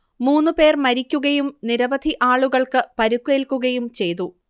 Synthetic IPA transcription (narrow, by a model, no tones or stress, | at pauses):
muːnːɨpe̞ːrmɐɾikʲːuɣɐjumniɾɐbɐd̪ʱiʔaːɭuɣɐɭkɨpɐɾukːe̞ːlkːuɣɐjumt͡ɕe̞jt̪̬u